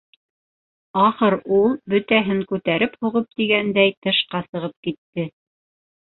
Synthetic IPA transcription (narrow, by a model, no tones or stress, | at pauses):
ɑχɤɾulˠbɵ̆t̪æɦɘŋkʉt̪æɾɘphuʁɤp̚t̪iɡænd̪æjt̪ɤ̆ʃqɑsɤ̆ʁɤp̚kit̪ːɘ